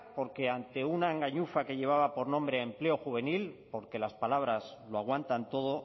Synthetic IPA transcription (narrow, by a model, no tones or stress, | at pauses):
po̞ɾke̞ant̪e̞unaeŋɡaɲufake̞ʎe̞β̞aβapo̞ɾnõmbɾeaemple̞o̞xuβ̞e̞nilpo̞ɾke̞laspalaβ̞ɾasloaɣwant̪ant̪o̞ðo̞